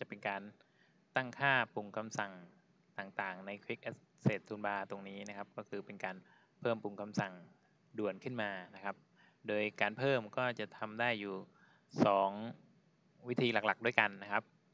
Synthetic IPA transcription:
t͡ɕa˨˩pe˧nkaː˧n | t̪a˥˩ŋkʰaː˥˩pu˧ŋkʰa˧msa˨˩ŋ | t̪aː˨˩ŋt̪aː˨˩ŋna˧jkʰwi˦˥k̚ʔe˦˥s | seː˨˩t̪ʰːuː˧nbaː˧t̪o˧ŋniː˦˥na˦˥kʰa˦˥p̚kɔː˥˩kʰɯː˧pe˧nkaː˧n | pʰɤː˥˩mpu˧˩ŋkʰa˧msa˨˩ŋ | du˨˩ənkʰɯ˥˩nmaː˧na˦˥kʰa˦˥p̚ | doː˧jkaː˧npʰɤː˥˩mkɔː˥˩t͡ɕa˨˩t̪ʰa˧mdaː˥˩jːuː˨˩ | sɔː˩˦ŋ | wi˦˥t̪ʰiː˧la˨˩kla˨˩k̚du˥˩əjka˧nːa˦˥kʰa˦˥p̚

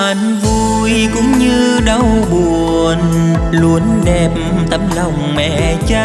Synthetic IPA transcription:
ʔa˨˩ŋvu˧˩ | jkʊ̰˧˦ŋ͡mɲɨ˧ɗə˧wɓu˨˩əən | lu˨˦ənɗɛ˨˩p̚mt̪ə˧˦mlə˨˩wŋ͡mmɛ̰˧˨ | t͡ɕa˧

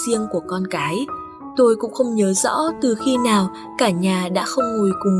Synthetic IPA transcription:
zi˧əŋku˧˩əkɔ˧nkaː˨˦j | t̪o˧jkʊ̰˧˥ŋ͡mxə˧wŋ͡mɲəː˨˦zɔ̰˧˥t̪ɨ˨˩xi˧naː˨˩w | kaː˧˩ɲaː˨˩ɗa̰ː˧˥xə˧wŋ͡mŋu˨˩jkʊ˨˩ŋ

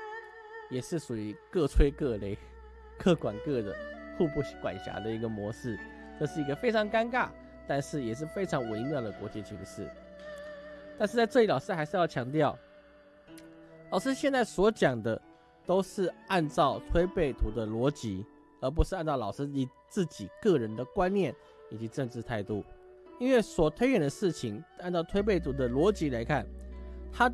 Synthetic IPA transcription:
jɛ˨˩ʂɻ̩˥˩ʂu˨˩i˧˥kɤ˥˧t͡sʰwe˥ɪkɤ˥˩le˧˥ɪ | kʰɤ˥˩kwa˨˩nkɤ˥˩d̪ə̰˩xu˥˧pu˥˩ɕkwa̰˨˩nɕja̰˧˥d̪ə˧˨i˧˥ɡə˧mwɔ˧˥ʂɻ̩˥˩ | ʈ͡ʂɤ˥˧ʂɻ̩˥˩i˧˥ɡə˧fe˥ɪʈ͡ʂʰɑ˧˥ŋka˥nka˥˩ | t̪a˥˧nʂɻ̩˥˩jɛ˨˩ʂ̬ɻ̩˥˩fe˥ɪʈ͡ʂʰɑ˧˥ŋwe˧˥ɪmjɑ˥˩nd̪ə˩kwɔ˧˥t͡ɕi˧˥˩t͡ɕʰḭ˧˥ŋʂɻ̩˥˩ | t̪a˥˧nʂɻ̩˥˧t͡sa˥˧ʈ͡ʂɤ˥˩i˧˩lɑ˨˩ʊʂɻ̩˥˧xa˧˥ɪʂɻ̩˥˧jɑ˥˩ʊt͡ɕʰjɑ˧˥ŋt̪jɑ˥˩ʊ | lɑ˨˩ʊʂɻ̩˥ɕjɛ˥˧nt͡sa˥˩ɪswɔ˧˥t͡ɕjɑ˨˩ŋd̪ə˦ | t̪o˥ʊʂɻ̩˥˧a˥˧nt͡sɑ˥˩ʊt̪ʰwe˥ɪpe˥˩ɪt̪ʰu˧˥d̪ə˧lwɔ˧˥t͡ɕi˧˥ | ə˞˧˥p̬u˧˥ʂɻ̩˥˧a˥˧nt͡sɑ˥˩lɑ˨˩ʊʂɻ̩˥i˨˧˩ | t͡sɹ̩˥˩t͡ɕi˨˩kɤ˥˩ɻə˧˦nd̪ə˨kwa˥˦nnjɛ˥˩n | i˨˩t͡ɕi˧˥ʈ͡ʂɤə˥˧ŋʈ͡ʂɻ̩˥˧t̪ʰa˥˧ɪt̪u˥˩ | i˥nwe˥˩ɪswɔ˨˩t̪ʰwe˥ɪjɛ˨˩nd̪ə˦ʂɻ̩˥˩t͡ɕʰi˧˦ŋa˥˧nt͡sɑ˥˩ʊt̪ʰwe˥ɪp̬e˥˩ɪt̪ʰu˧˥d̪ə˧˨lwɔ˧˥t͡ɕi˧˥la˧˥ɪkʰa˥˩nt̪ʰa˥

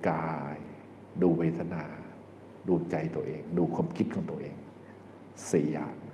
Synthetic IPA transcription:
kaː˧j | duː˧weː˧t̪ʰa˧naː˧ | duː˧t͡ɕa˧jt̪u˧ɐʔeː˧ŋduː˧kʰwaː˧mkʰi˦˥t̪̚kʰɔː˩˦ŋt̪u˧ɐʔeː˧ŋ | si˨˦ɐ̰˦˩

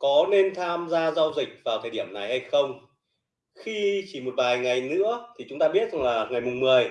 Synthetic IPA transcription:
kɔ˨˦ne˧nt̪ʰaː˧mzaː˧za˧wzï˨˩k̟̚vaː˨˩wt̪ʰəː˨˩jɗi˧˩əmna˨˩jha˧jxə˧wŋ͡m | xi˧t͡ɕi˧˩mo˨˩t̚vaː˨˩jŋa˨˩jnɨ̰˧˥ət̪ʰi˨˩t͡ɕʊ˨˦ŋ͡mt̪aː˧ɓi˦˥ət̚za˨˩ŋlaː˨˩ŋa˨˩jmʊ˨˩ŋ͡mmɨ˨˩əj

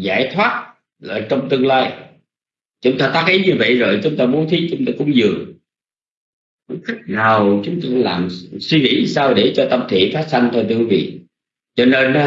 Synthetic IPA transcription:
za̰ː˧˩jt̪ʰwaː˦˥t̚ | laː˨˩t͡ɕə˧wŋ͡mt̪ɨ˧əŋlaː˧j | t͡ɕʊ˨˦ŋ͡mt̪aː˧t̪aː˦˥k̚ʔi˨˦ɲɨ˧və̰˧˨jzo˨˩jt͡ɕʊ˨˦ŋ͡mt̪aː˧mu˨˦nt̪ʰi˨˦˥t͡ɕʊ˨˦ŋ͡mt̪aː˧kʊ̰˧˥˦ŋ͡mzɨ˨˩əŋ̚ | kʊ̰˧˥˦ŋ͡mxï˦˥k̚na˨˩wt͡ɕʊ˨˦ŋ͡mt̪aː˧kla̰ː˨˩mswi˧ŋḭ˧˩˥saː˧wɗe˧˩t͡ɕɔ˧t̪ə˧mt̪ʰḭ˧˨faː˦˥t̚sa˧n̟t̪ʰo˧jt̪ʰɨ˧ki˦˧vḭ˧˨ | t͡ɕɔ˧ne˧n

